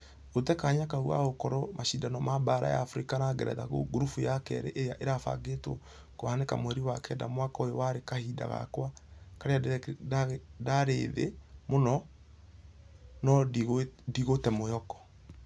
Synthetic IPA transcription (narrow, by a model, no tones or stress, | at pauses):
otɛkaɲakaua̰ɣokɔɾɔmaʃidanɔmabaɾa̰ja̰ːfɾikanaɡɛɾɛ̰ða̰ɣo̰ɡuɾufujakɛ̰ɾḛʔejaʔeɾafa̰ɡeto̰ | kohanekamoɛɾiwakɛda̰mwakaojowaɾekahida̰ɣa̰kwakaɾeaaɣdaɾeːðḛmonɔ | nɔɣdiɣotɛmojɔkɔ̥